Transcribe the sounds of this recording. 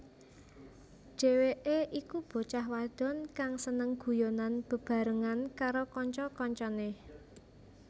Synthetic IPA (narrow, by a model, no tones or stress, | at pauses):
ʒ̥e̤weʔeʔikub̥o̤t͡ʃahwad̪̥ɔ̤nkaŋsənəŋɡ̥ṳjonanb̥ə̤b̥a̤ɾəŋankaɾokɔɲt͡ʃɔkɔɲt͡ʃɔnɪ